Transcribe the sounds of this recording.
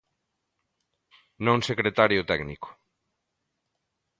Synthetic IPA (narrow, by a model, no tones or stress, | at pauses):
nõŋsekɾet̪aɾjʊt̪ɛɡnikʊ̥